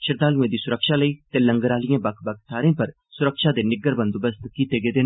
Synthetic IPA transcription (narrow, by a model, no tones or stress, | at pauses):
ʃɪɾd̪aːlũẽːd̪iːsʊɾəkʃaːləiːt̪eːlə̃ŋɡɾaːlijãːbɐkʰbɐk̚ʰt̪ʰaːɾẽːpɐɾ | sʊɾəkʃaːd̪eːnɪɡəɾbə̃nd̪obəst̪kiːt̪eːɡeːd̪eːn